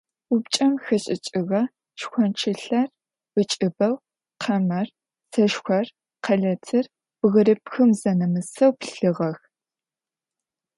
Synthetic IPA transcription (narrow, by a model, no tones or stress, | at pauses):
ʊpt͡ʃʼɐmxɐɕʼɪt͡ʃʼɪʁɐ | ʃxʷɔnt͡ʃʰɪɬɐr | bɨt͡ʃʼɪbɐw | qʰɐmɐr | sɐʃxʷɐr | qʰɐɮɐtʰɨr | b̥ɣɨɾɨpxɨmzɐnɐmɨsɐwpɬɨʁɐx